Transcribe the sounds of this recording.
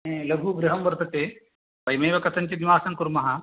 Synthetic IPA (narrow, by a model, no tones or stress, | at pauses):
elɐɡʱuːɡɾɪɦɐmʋɐɾt̪ɐt̪eː | pɐjmeːʋɐkɐt̪ɐnt͡ʃid̪iʋaːsɐŋkuɾmɐɦɐ